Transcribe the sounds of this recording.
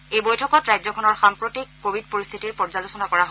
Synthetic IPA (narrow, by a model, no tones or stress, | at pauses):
ejbojtʰɔkɔtɹajzɔkʰɔnɔɹxaŋpɹotikːobʱidpoɹist̪ʰitiɹpɔɹzalosɔnakɔɹaɦ